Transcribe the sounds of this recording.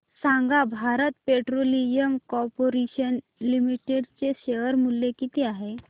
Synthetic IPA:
sãŋɡabʱaɾət̪peʈɾoliəmkɔɾpoɾeɕən | limiʈeɖt͡seɕeʋəɾmulːekit̪iaɦe

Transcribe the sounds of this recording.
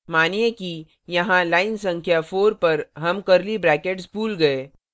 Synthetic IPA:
maːnieki | jɐɦãlaːɪnsɐ̃ŋkʰjafoːɾpɐɾɦɐmkɐɾlibɾɛːkeːʈsbuːlɡɐe

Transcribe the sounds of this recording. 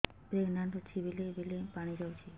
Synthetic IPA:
pɾeɡnand̪ot͡ʃʰibilebilepaɽ̃id͡ʒawt͡ʃʰi

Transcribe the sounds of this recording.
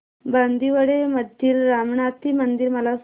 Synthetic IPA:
band̪iʋəɽeməd̪ʱiːɾːamɳat̪iːmənd̪iɾməlas

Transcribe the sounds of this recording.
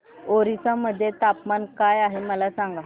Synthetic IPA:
oɾisaməd̪ʱːjet̪apmankajaɦeməlasaŋɡa

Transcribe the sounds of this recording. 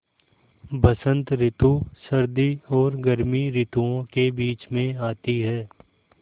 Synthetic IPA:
bɐsə̃nt̪ɾɪt̪usɐɾd̪iɔːɾɡəɾmiɾɪt̪uõkebiːt͡ʃmẽaːt̪iɦɛː

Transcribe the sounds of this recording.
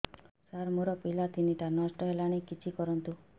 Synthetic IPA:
saɾmoɾɔpilat̪ʰiniʈanɔsʈɔɦelaɽ̃ikit͡ʃʰikɔɾɔnt̪u

